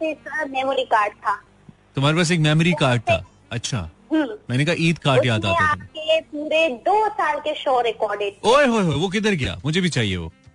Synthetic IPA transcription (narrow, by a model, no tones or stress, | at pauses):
esəmɛːmoɾikaːɾɖ̚t̪ʰaː | t̪ʊm̤ɦaːɾepaːs̬eːkmɛːmoɾikaːɾɖ̚t̪ʰa̰ː | ɐtːʃʰa̰ɦəmɛːnekaɦaʔiːt̪kaːɾʈjaːt̪aːeãːp̚kepuːɾed̪oːsaːlkeʃoːɾɛkɔːɾɖeʈ̚oːjɦoːjɦoːjʋokɪd̪əɾɡɐja̰ːmʊd͡ʒʱebʱit͡ʃaːɦiḛʋo̰ː